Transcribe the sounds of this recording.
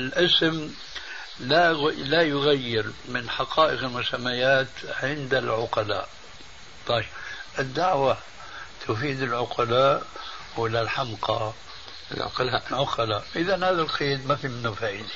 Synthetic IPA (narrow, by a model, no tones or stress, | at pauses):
ɪlʔɪsm | lalajʊɣajːɪɾmɪnħɑqʰɑːʔɪqɪlmʊsamːajaːt̪ʕɪnd̪ɪlʕʊqɑla̰ːʔ | t̪ˤɑjbʔɪd̪ːaʕwa | t̪ʰʊfiːd̪ɪlʕʊqɑlaːʔ | wɪlalħamqɑ̰ | ʕʊqɑlaːʔʔɪðanhaːðalqʰeːd̪mafiːmɪnːufaːʔɪd̪i̥